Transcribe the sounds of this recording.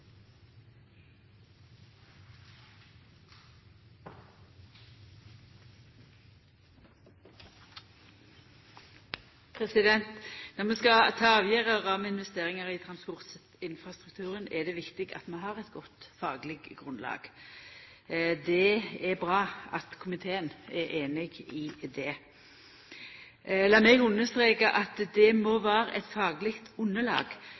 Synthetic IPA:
pʰʁɛsɪd̪ɛnt̪nɔʁmɛskɑt̪ʰɑːɑːʋjæːʁəʁɑːməɪnʋɛst̪eːʁɪŋəʁɪt̪ʰʁɑnspɔʁt̪s | ɪnfʁɑst̪ʁʉk̚t̪ʰʉːʁənɛd̪ɛʋɪkt̪ɪɡɑ̰t̪mɛnɦɑʁɛt̪ɡɔt̪ːfɑːɡlɪɡɡʁʉnlɑ̰ːɡ̥ | d̪ɛɛbʁɑːɑt̪kʰʊmɪt̪ʰeːənɛɾʔeːnɪɡɪd̪ɛ | lɑːmɛɡʉnːəst̪ʁeːkəʔɑt̪d̪ɛmoːʋæːɾəʔɛt̪fɑːɡlɪkt̪ʊnːəlɑ̰ːɡ

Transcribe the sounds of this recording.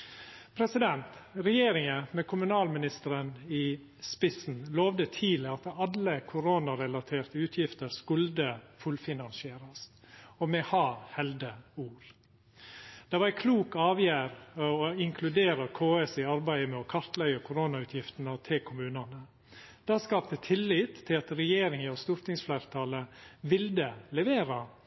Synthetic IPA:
pʰɾɛsɪd̪ɛnt̪ɾɛjeːɾɪŋəmɛkʰʊmʉnɑːlmɪnɪst̪əɾəniː | spɪsn̩loːʋd̪ət̪ʰiːləɑt̪ɑləkʰʊɾoːnɑɾɛlɑt̪ʰeːɾt̪əʉːt̪ʰjɪft̪əɾskʉld̪əfʉlfɪnɑnsɪeːɾɑst̪ɔmɛhɑːhɛld̪əuːɾ | d̪̥ɛʋæɪkʰluːkɑːʋjæːɾɔɪŋkʰlʉd̪eːɾɑkʰoːɛsɪɑɾbæɪəmɛɔkʰɑɾt̪læʏəkʰʊɾoːnɑʉːt̪ʰjɪft̪ənət̪ʰɪlkʰʊmʉːnɑnə | d̪̥ɑːskɑːpt̪ət̪ʰɪlːɪt̪ʰːɪlɑt̪ɾɛjeːɾɪŋəɔst̪ʊɾt̪ɪŋsflæːɾt̪ʰɑːləʋɪld̪əlɛʋeːɾɑ

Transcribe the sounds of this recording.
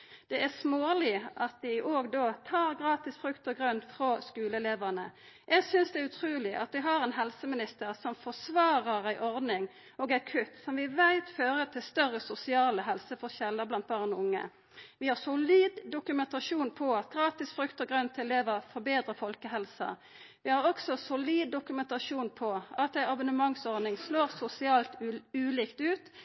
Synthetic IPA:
d̪̥ɛʔæsmoːlɪʔɑt̪̚d̪ɪʔoːɡd̪oːt̪ʰɑːʁɡʁɑːt̪ɪsfɾʉkt̪ɔɡʁʉnfʁoːskʉːləɛleːʋənə | jʔæɪɡsʏnsd̪ɛæʉt̪ʰʁʉːlɪʔɑ̰t̪ʋ̪ɪɦɑɾɛnɦɛlsəmɪnɪst̪əʁsɔmfɔsʋɑːʁəʁæɪʔɔʁd̪nɪŋ | oːɡæɪkʰʉt̪ːsɔmʋɪʋæɪt̪føːʁət̪ʰɪlst̪œʁəsʊsɪɑːləɦɛlsəfɔʁɕɛlːəblɑnt̪̚bɑːʁnɔʊŋːə̰ | ʋɪhɑʁsʊliːd̪ːʊkʉmɛnt̪ɑʃuːnpʰɔɑt̪̚ɡʁɑːt̪ɪsfɾʉkt̪əɡɾʁœnt̪ʰɪɛleːʋəfɔʁbeːd̪ɾʁəfɔlkəɦɛlsɑ̰ | ʋɪhɑʁɔksɔsʊliːd̪ːʊkʉmɛnt̪ɑʂuːnpʰɔɑt̪æɪɑbənəmɑŋsɔʁd̪nɪŋsloːʁsʊsɪɑːlt̪ʉːliːkt̪ʉːt̪

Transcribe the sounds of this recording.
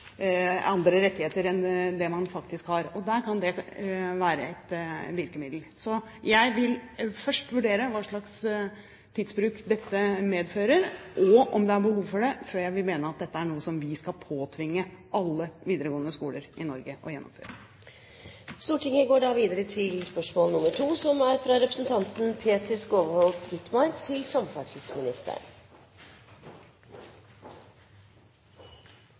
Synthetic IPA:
ɑnd̪ɾəɾɛt̪ːɪheːt̪əɾɛnd̪ɛmɑnfɑkt̪ɪskhɑɾɔd̪æɾkʰɑnd̪ɛʋæːɾə̰ɛt̪ʋɪɾkəmɪd̪l̩sɔjæɪʋɪlfœʂʈʋʉɖeːɾəʋɑːʂɭɑks | t̪ʰiːd̪sbɾʉːkd̪ɛt̪ːəmeːd̪føːɾəɾʔɔɔmd̪ɛæɾbəhuːʋfɔɖɛføːɾjæɪʋɪlmeːnəɑt̪̚d̪ɛt̪ːəæɳuːəsɔmʋɪskɑlpʰoːt̪ʰʋɪŋːəʔɑlːəʋiːd̪əɾəɡoːənəskuːləɾʔɪnɔɾɡəʔɔjɛnːɔ̰mfø̰ːɾə | st̪uːʈʰɪŋəɡoːɖɑːʋiːd̪əɾət̪ʰɪlspœʂmoːlnʊməʈʰuːsɔmæɾfɾɑɾɛpɾəsn̩t̪ʰɑnt̪n̩pʰeːt̪əskoːʋəhɔlt̪ɡʏt̪mɑɾkt̪ʰɪlsɑmfɑʈɪd̪smɪnɪst̪ə̰ɳ

